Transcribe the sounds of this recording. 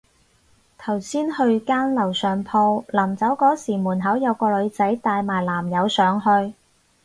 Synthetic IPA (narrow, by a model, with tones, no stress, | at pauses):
t̪ʰɐ˨˩wsiː˥nhɵ˧ɥkaː˥nlɐ˨˩wsœː˨˩ŋpʰɔː˧laː˨˩mt͡sɐ˨˥wkɔː˨˥siː˨˩muː˨˩nɦɐ˨˥wjɐ˨˧wkɔː˧lɵ˨˧ɥt͡sɐ˨˥jt̪aː˧jmaː˨˩jlaː˨˩mjɐ˨˧wsœː˨˧ŋɦɵ˧ɥ